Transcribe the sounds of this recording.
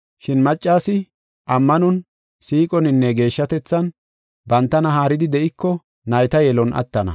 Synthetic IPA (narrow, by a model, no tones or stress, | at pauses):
ʃɪnmɐt͡ʃʼːaːsɪ | ʔɐmːɐnʊn | siːkʼɔnɪnːɛɡe̞ːʃːɐt̪ɛt͡sːɐn | bɐnt̪ːɐnɐɦaːɾɪd̪ɪd̪ɛʔɪkːɔ | nɐjt̪ɐjɛlɔnʔɐ̰t̪ːɐnɐ̰